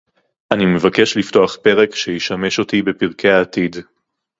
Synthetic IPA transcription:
ʔanime̞vake̞ʃlifto̞aχpe̞ʁe̞kʃejiʃame̞ʃo̞t̪ibe̞piʁkʰe̞aːtid

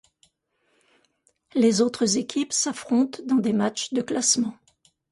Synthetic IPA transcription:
lezot̪χəzekʲʰipsafχɔ̃t̪d̪ɑ̃d̪emat͡ʃd̪əklasmɑ̃

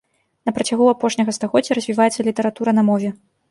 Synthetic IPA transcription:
nɐpɾɐt͡sʲaɣuapɔʂnʲɐɣɐst̪aɣɔd͡zʲɐɾɐzʲvʲivajɛt̪sːɐlʲit̪ɐɾat̪uɾɐnɐmɔvʲɛ

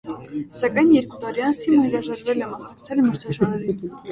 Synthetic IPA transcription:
sɑkɑjnjɛɾkut̪ɑɾiɑnt͡sʰt̪ʰiməhəɾɑʒɑɾvɛlɛmɑsnɑk̚t͡sʰɛlməɾt̪ʰɑʒɑɾɛɾin

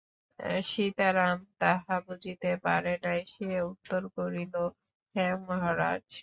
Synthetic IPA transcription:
ʃit̪aɾamt̪aɦabud͡ʑʱit̪epaɾenajʃieut̪ːoɾkoɾilo | hɛmɔɦaɾa̰d͡ʑ

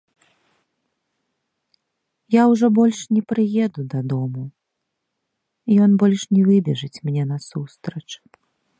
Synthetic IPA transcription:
jawʐɔbɔlʲʂnʲɛpɾɨjɛd̪ud̪ɐd̪ɔmu | ijɔnbɔlʲʂnʲɛvɨbʲɛʐɨt͡sʲmnʲɛnɐsust̪ɾɐt͡ʂ

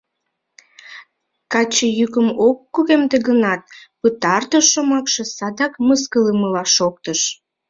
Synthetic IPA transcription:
kɑt͡ɕəjykəmokːuɣemd̪eɣənɑt̪̚pət̪ɑrt̪əʃomɑkʃesɑd̪ɑkməs̬kələməlɑʃok̚t̪əʃ

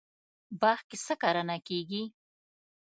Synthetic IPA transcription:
bɑxkesəkaɾanakeɡi

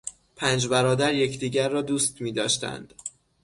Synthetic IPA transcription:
pʰæːnd͡ʒbæɾɒːd̪æɾje̞cʰd̪iːɟæɾːɒːd̪uːst̪miːd̪ɒːʃt̪æ̰nd̪̥

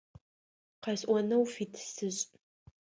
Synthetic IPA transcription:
qɐjɕʼʔʷɔnɐwfiːtʰsɨɕʼ

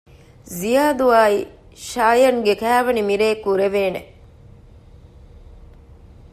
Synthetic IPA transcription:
zijaːd̪uaːi | ʃaːjɐŋɡekæːʋɐnimiɾeːkːuɾeʋeːnḛ

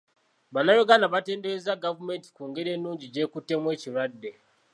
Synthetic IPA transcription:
βanajoɡanaβate̞ːndeɾezaɡavume̞nti̥kuːŋɡeɾe̞ːnːuːɲɟiɟe̞ːkutːe̞mwe̞ːciɾwadːe̞

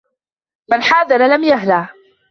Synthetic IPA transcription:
manħaːðɑɾalamjaɦlaː

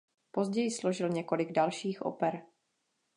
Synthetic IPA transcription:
po̞zɟɛjɪslo̞ʒɪlɲɛko̞lɪɡdalʃiːxʔo̰pɛɾ

